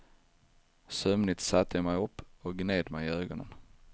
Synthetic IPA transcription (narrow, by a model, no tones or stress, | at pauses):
sœmnɪt̪sat̪ːəjamɛjɔpːɔk̚ɡneːd̪mɛjøːɡɔnən